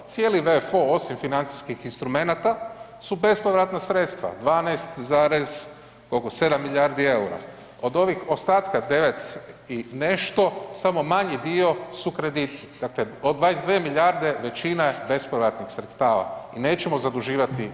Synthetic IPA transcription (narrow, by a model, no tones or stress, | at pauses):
t̪sjeːliʋefo̞o̞simfinant̪si̥skixinst̪ɾume̞nat̪a | sube̞spoʋɾat̪nasɾeːt̪st̪ʋa̰d̪ʋaːnast̪zaːɾez | kokose̞d̪amːiʎaɾd̪ie̞uɾa̰ | o̞d̪o̞ʋixo̞st̪aːt̪kad̪e̞ʋe̞t̪ine̞ʃt̪o̞samo̞maɲid̪io̞sukɾe̞d̪it̪nid̪̥akleod̪ʋaːnesd̪ʋeːmiʎʲaɾd̪e̞ʋe̞t͡ʃinaebe̞spoʋɾat̪nixsɾet̪st̪aːʋa̰ine̞ːt͡ʃe̞mo̞zad̪uʒiːʋat̪i